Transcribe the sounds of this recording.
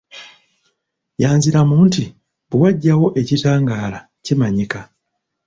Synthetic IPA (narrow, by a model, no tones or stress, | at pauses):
jaːnziɾamuːnti | buwaɟːawo̞ʔe̞citaːŋɡaːla | cimaɲika